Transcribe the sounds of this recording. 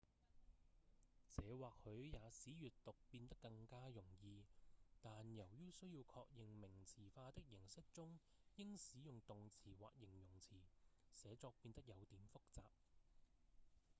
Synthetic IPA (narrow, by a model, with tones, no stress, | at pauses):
t͡sɛː˨˧waː˨k̚hɵ˨˧ɥjaː˨˧siː˨˥jyː˨tt̪ʊ˨k̚piː˧nt̪ɐ˥kːɐ˧ŋkaː˥jʊ˨˩ŋjiː˨˧t̪aː˨njɐ˨˩wjyː˥wsɵ˥ɥjiː˧wkʰɔː˧k̚jɪ˨ŋmɪ˨˩ŋt͡sʰiː˨˩faː˧t̪ɪ˥k̚jɪ˨˩ŋsɪ˥k̚t͡sʊ˥ŋ | jɪ˥ŋsiː˨˥jʊ˨˩ŋt̪ʊ˨ŋt͡sʰiː˨˩wa̰ː˨k̚jɪ˨˩ŋjʊ˨˩ŋt͡sʰiː˨˩sɛː˨˧t͡sɔː˧k̚piː˧nt̪ɐ˥k̚jɐ˨˧wt̪iː˨˩mfʊ˥k̚t͡sa̰ː˨p̚